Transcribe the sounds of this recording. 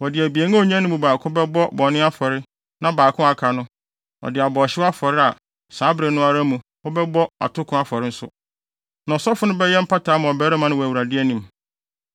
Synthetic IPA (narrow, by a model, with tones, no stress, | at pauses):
wɔ˨dɪ˨æ˨bi˨e˨˦ŋã˦ɔ˨ɲ˦ã˦nʊ̃˦mũ˨baː˨kʰʊ̃˦bɛ˦bɔ˦bɔ˨nɪ̃˦a˦fɔ˨ɾɪ˦ | nã˦baː˨kʰʊ̃˦a˨kʰa˨nʊ̃˦ | ɔ̰˨dɪ˨a˨bɔ˨ɕɪ˦wa˦fɔ˨ɾɪ˦a˨ | saː˨˦bɾe˨nʊ̃˦a˦ɾa˦mũ˨ | hɔ˦bɛ˦bɔ˦a̰˨tʰʊ˦kʰʊ̃˦a˦fɔ˨ɾɪ˦n̩˦sʊ̰˦ | nã˨ɔ˨sɔ˦fʊ˦nʊ̃˦bɛ˦jɛ˦m̩˦pʰa˦tʰa˨˦mã˨ɔ˨bɛ˦ɾɛ˦mã˦nɪ̃˦˨wæ˨wu˨ɾa˨dɪ˦ɛ˦nĩ˨m